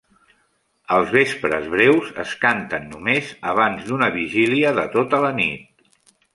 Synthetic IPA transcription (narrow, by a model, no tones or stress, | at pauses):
əlˠzβespɾə̰zβɾɛwzə̰skant̪ənːumezəβ̞anzd̪unəβiʒiliəðət̪ot̪ələnit̪̚